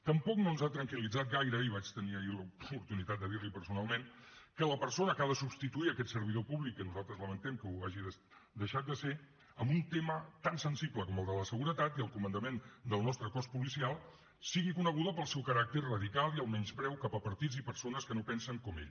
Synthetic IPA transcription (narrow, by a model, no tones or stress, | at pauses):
t̪əmpɔknonzat̪ɾəŋkilid͡zat̪̚ɡajɾəiβat͡ʃt̪əniəiləupuɾt̪unit̪at̪̚d̪əðiɾlipəɾsunalˠmen | kələpəɾsonəkaðəsubst̪it̪uiəkɛt̪səɾβ̞iðopuβlikːənuzalˠt̪ɾəzləmənt̪ɛmkəuaʒiðəs | d̪əʃat̪̚d̪əse | əmbunt̪emət̪ansənsibləkɔməlˠd̪ələsəɣuɾət̪at̪iəlˠkumənd̪əmend̪əlˠnɔst̪ɾəkɔspulisialˠ | siɣikunəɣ̞uðəpəlˠsɛwkəɾak̚t̪əɾrəðikalˠiəlˠmɛɲzpɾɛwkapəpəɾt̪id͡zipəɾsonəskənopɛnsəŋkɔmḛʎ